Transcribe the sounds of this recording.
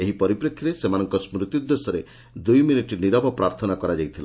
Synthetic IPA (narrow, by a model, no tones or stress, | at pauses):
eɦipɔɾipɾekʰːjiɾesemañɔŋkɔsmɾut̪jud̪ːesɔɾe | d̪ujminiʈiniɾɔbʱɔpɾaɾt̪ʰɔnakɔɾad͡ʒajt̪ʰila